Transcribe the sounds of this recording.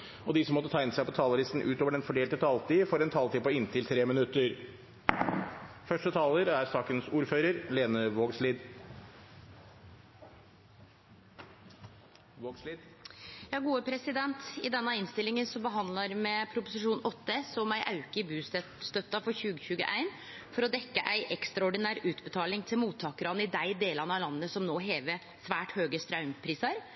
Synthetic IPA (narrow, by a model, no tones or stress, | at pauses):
ɔd̪ɪsɔmːɔt̪ːət̪ʰæɪnəsæɪpɔt̪ʰɑːləɾɪst̪n̩ʔʉːt̪oːʋəɖɛnfɔɖeːlt̪ət̪ʰɑːlt̪iːfɔɾɛnt̪ʰɑːlt̪iːpɔɪnt̪ʰɪlt̪ʰɾeːmɪnʉt̪ːəɾ | fœʂʈət̪ʰɑːləɾæɾsɑːkənsuːɾføːɾəɾleːnəʋoːɡsliːd̪ | oɡijɑːɡuːəpʰɾɛsɪd̪ɛnt̪ɪd̪ɛnːɑɪnst̪ɪlɪŋənsɔbəɦɑnd̪ləɾmɛpʰɾʊpʊsɪʂuːnɔt̪ːəsɔmæɪʔɑʉkəɪbʉːs | st̪œt̪ːɑfɔɾçʉːɡəçʉːɡə̰ʔæɪn | fɔɾɔd̪ɛkːəʔæɪʔɛkst̪ɾɑɔɖɪnæːɾʉːt̪bət̪ʰɑːlɪŋt̪ʰɪlmuːt̪ʰːɑːkəɾɑnɪd̪æɪd̪eːlɑnəɑlɑnːnəsɔmnoːɦeːʋə | sʋæːʈhøːɡəst̪ɾɑʉmpʰɾiːsɑɾ